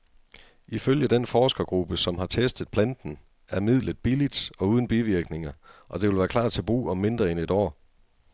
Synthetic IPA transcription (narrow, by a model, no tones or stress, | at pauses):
iføljəd̥enfɒːsɡ̥ɐɡ̥ʁub̥əsɒ̽mɦɑ̈t͡sʰesd̥ð̩ˠpʰlænd̥n̩ | æɐmið̞̰ˠləð̥̩ˠb̥ilid̥ɒ̽uːð̞ˠn̩b̥iʋiɐɡ̥ne̝ŋɐʔɒ̽d̥eʋelʋæːɐkʰlɑ̰̈ːd̥̚t͡sʰe̝b̥ʁṵːɒ̽mːe̝nd̥ʁɐene̝d̥ɒ̰ː